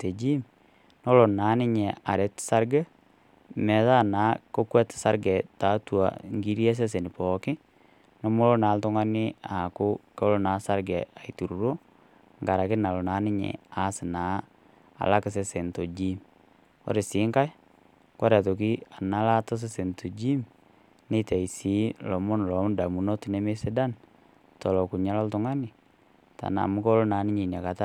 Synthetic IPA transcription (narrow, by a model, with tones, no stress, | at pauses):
te˨d͡ʒiː˦m | nɔ˦lo˨naː˨˦nɪ˦ɲe˨a˨ɾe˨tsa˦ɾɡɛ˦ | mɛ˨˦ða˦naː˨˦ko˦kwɛ˦tsa˦ɾɡɛ˨ta˨˦twa̰˨ŋɡi˦ɾje˦s̬e˦s̬e˨nɪ˨pɔ˨kɪ˦ | nɔ˦mʊ˦lo˦na˨˦ltʊ˦ŋa˦nɪ˦a˨kʊ˦ko˦lo˦na˨˦sa˦ɾɡɛ˨a˨itu˨ɾu˨ɾo˦ | ŋɡa˨ɾa˨kɪ˦na˨lo˨na˨˦nɪ˦ɲḛ˨a˦sɪ˨naː˨˦ | a̰˨la˦kɪ˦s̬e˦se˨nto˨d͡ʒi˦m | ɔ̰˦ɾɪ˨sɪ˨˦ŋka˦j | kɔ˦ɾa˨to˨ki˦a˨na˦la˦tɔ˦s̬e˦se˨ntʰo˨d͡ʒi˦m | ni˦te˨i˨si˨˦lɔ˨mo˦n˨lɔ˨˦m˦nda˨mu˨no˦ti˦ne˦me˦sɪ˦da˦n | tɔ˨lɔ˨ku˨ɲa˦lɔ˦ltʊ˦ŋa˦nɪ˨ | ta̰˨na̰˨mʊ˦ko˦lo˦na˨˦nɪ˦ɲi˨na˨ka˨ta˦